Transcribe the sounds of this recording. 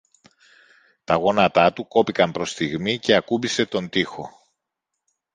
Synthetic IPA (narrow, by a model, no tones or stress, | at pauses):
t̪ɐɣo̞nɐt̪ɐt̪uko̞pikɐmpɾo̞st̪iɣmice̞ɐkubise̞t̪o̞nd̪ixo̞